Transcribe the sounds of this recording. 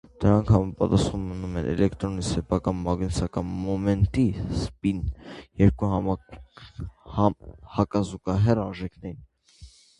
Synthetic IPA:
d̪̥əɾɑŋkʰhɑmɑpɑt̪ɑsχumːənumɛnʔɛ̰lɛkt̪ɾɔnisɛpʰɑkɑnmɑɡnisɑkɑnmɔmɛnt̪ispinjɛɾkuɦɑ | hɑkɑzukɑɦɛrɑnʒɛkʰnɛɾin

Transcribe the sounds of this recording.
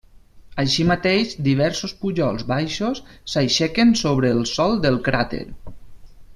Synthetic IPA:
əʃimat̪eʒd̪iβ̞ɛɾsospuʒɔlˠzβajʃosːajʃɛkensoβ̞ɾəːlˠsɔlˠd̪əlˠkɾat̪ḛɾ

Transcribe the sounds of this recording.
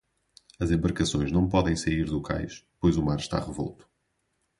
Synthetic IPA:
ɐzẽmbɐɾkɐsõj̃ʒnɐ̃w̃pɔðɐ̃j̃sɐiɾðukʰa̰jʃpojzumaɾʃt̪a̰ʁɨvɔ̰lˠt̪u̥

